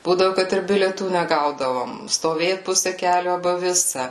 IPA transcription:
ˈbuːdɐʋʊ ˈkɐt ɪr bʲɪlʲiɛˈtuː nʲɛˈɡɐʊdɐʋoːm stoːˈʋʲeːt ˈpʊsʲɛ ˈkʲæːlʲʊ ɐˈbɐ ˈʋʲɪsɐ

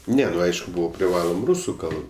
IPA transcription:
ˈnʲɛ nʊ ˈɐɪʃkʊ ˈbuːʋɐ pʲrʲɪˈʋɑːlˠoːm ˈruːsʊ ˈkɐlˠp

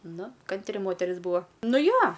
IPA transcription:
ˈnʊ ˈkɐnʲtʲrʲɪ ˈmoːtʲɛrʲɪs ˈbuːɐ ˈnʊ ˈjoː

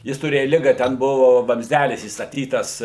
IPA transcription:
ˈjɪs tʊˈrʲeːjɛ ˈlʲɪɡɐ ˈtʲɛn ˈbʊʋʊ ʋɐmʲzʲˈdʲælʲɪs iːstɐˈtʲiːtɐs

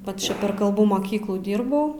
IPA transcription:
ˈʋɐt t͡ʃʲɛ pʲɛr kɐlˠˈbuː moːˈkʲiːklˠuː ˈdʲiːrbɐʊ

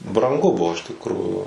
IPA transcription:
brɐŋˈɡʊ ˈbʊʋoː ɪʃ tʲɪkˈruːjuː

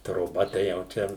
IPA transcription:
troːˈbɐ tɐɪ jɛʊ ˈt͡ʃʲɛ

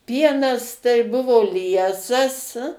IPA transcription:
ˈpʲiɛnɐs tɐɪ ˈbʊʋoː ˈlʲiɛsɐs

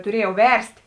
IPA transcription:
tʊˈrʲiɛjɛʊ ˈʋʲɛrʲsʲtʲ

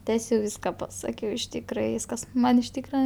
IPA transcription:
ˈtʲæːsʲɛʊ ˈʋʲiːskɐ pɐˈsɑːkʲɛʊ ɪʃ ˈtʲiːkrɐ ˈʋʲiːskɐs ˈmɐn ɪʃ ˈtʲiːkrɐ

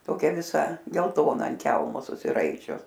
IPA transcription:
toːˈkʲɛ ʋʲɪˈsɐ ɡʲɛlˠˈtoːnɐ ɐnt ˈkʲɛlˠmoː sʊsʲɪˈrɐɪt͡ʃʲʊs

